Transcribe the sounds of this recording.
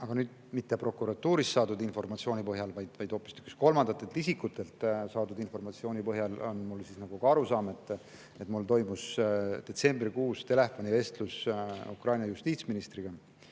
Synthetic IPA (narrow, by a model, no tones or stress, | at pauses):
ɑɡ̥ɑnyːd̪̥mit̪ːe̞pro̞kːˑuɾɑt̪ːuːɾist̪ːɑːd̪ud̪info̞rmɑt̪sio̞ːnʲipɤɦjɑlvɑjd̪̥vɑjd̪̥ho̞pːˑist̪y̥ksko̞lmɑnd̪ɑt̪ːˑet̪isikːˑut̪ːˑe̞lt̪sɑːd̪ud̪info̞rmɑt̪sio̞ːnʲipɤɦjɑlo̞̰nmulsisnɑɡ̥ukɑɑɾusɑːme̞t̪ːˑ | e̞t̪ːˑmult̪o̞jmusd̪̥e̞t̪se̞mbrikuːst̪e̞le̞fo̞nʲive̞st̪lusṵkrɑjnʲjɑjust̪iːt̪sminist̪riɡ̥ɑ